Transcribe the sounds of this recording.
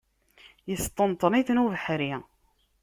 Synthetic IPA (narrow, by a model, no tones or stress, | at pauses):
jəst̪ˤːənt̪ˤniθnuvəħɾi